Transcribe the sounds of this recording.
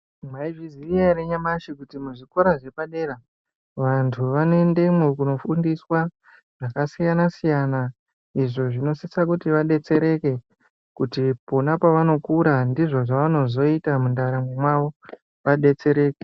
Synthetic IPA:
maiviziijaɾeɲamaʃikutimuʐikoɾaʐe̞paɗe̞ra | ʋantʰuʋanoende̞mokuno̞fundiswa | ʐ̥akasijanasijana | iʐoʐino̞sisakutiʋaɗe̞t͡se̞ɾe̞ke̞ | kutipo̞napaʋano̞kuɾandiʐo̞ʐaʋano̞zo̞itamundaɾamwemwaʋo̞ | ʋaɗe̞t͡se̞ɾe̞ːke

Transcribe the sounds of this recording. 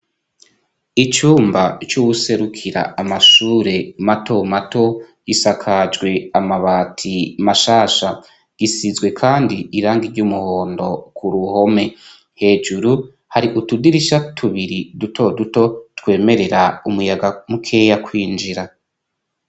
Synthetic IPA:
it͡ʃuːmbat͡ʃuwuse̞ɾukʰiɾa̰amaʃuːɾe̞mato̞mato̞ | isakʰad͡ʒɡwe̞amaβaːtʰimaʃaːʃa | ɡ̥isizɡwe̞kʰaːndiiɾaːŋɡiɾɟumuho̞ːndo̞kʰuɾuho̞me̞ | he̞ːd͡ʒuɾu | haɾiʔutudiɾiʃatʰuβiɾidutʰo̞duto̞twe̞ːme̞ɾe̞ɾaumujaɡamukʰe̞ːjakʰwiːnd͡ʒiɾa

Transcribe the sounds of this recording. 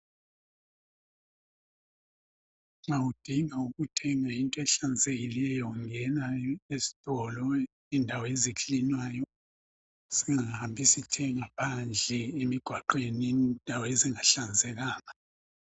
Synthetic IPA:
ŋawud̥ʱiŋauɣutʰɛŋaintʼɔɛɬand͡zeɣilɛjɔŋɛnaesi̥tʼɔlɔ | indʱawezikʰʼlinwaːjɔ | siŋaahambʱisitʰɛŋapʰand͡ɮʱɛemiɡ̥ʱwaǃwenindʱaweziŋaɬand͡zʱɛlaːna

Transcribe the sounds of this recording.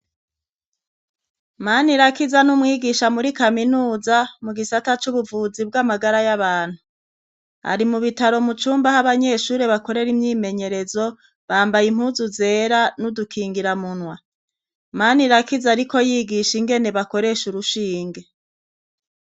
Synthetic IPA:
maniɾakizanumŋiːɡiʃamuɾikaminuːzamuɡisatat͡ʃuβuvuzib̚ɡamaɡaɾajaβaːn̥hu | a̰ɾimuβitaɾo̞mut͡ʃuːmbahaβaɲe̞ʃuːɾeβako̞ɾe̞ɾimɲiːme̞ɲe̞ɾe̞zo̞ | βaːmbajim̥huːzuze̞ːɾanudukʰiːŋɡiɾamunwa | maniɾakizaɾiko̞jiːɡiʃiŋɡe̞neβako̞ɾe̞ʃuɾuʃiːŋɡe̞

